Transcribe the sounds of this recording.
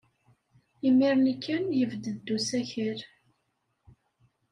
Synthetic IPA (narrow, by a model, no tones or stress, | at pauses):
imːiɾˤnəkʰːənjəvd̪əd̪ːusæçəɾ